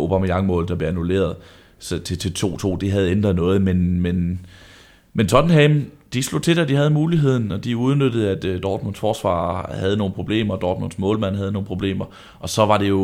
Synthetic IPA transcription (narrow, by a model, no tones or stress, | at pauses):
o̝b̥æmijɑ̈ŋmɔ̰̽ːl̩d̥ɑb̥le̝ænule̝̰ːɐð̞̩ˠ | st͡sʰe̝t͡sʰe̝lt͡sʰo̝̰ːt͡sʰo̝̰ːd̥iɦæð̞ˠend̥ʁɐðˠnɔ̽ːð̞̩ˠmenmen | ment͡sʰɒ̽d̥n̩ɦæmd̥islo̝t͡sʰe̝d̥æd̥iɦæð̞ˠmuːliɦe̝ð̞̰ˠn̩ɒ̽d̥iuð̞ˠnød̥əð̩ˠæd̥d̥ɒːd̥mon̰̥sfɒːsʋɑ̰̈ːhæð̞̩ˠno̝ːn̩pʰʁo̝b̥le̝̰ːmɐd̥ɒːd̥mond̥smɔ̰ːlmæn̰ɦæðˠno̝ːn̩pʰʁo̝b̥le̝̰ːmɐ | ʔɒ̽sɒ̽ʋɑ̈ɾ̥e̝jo̝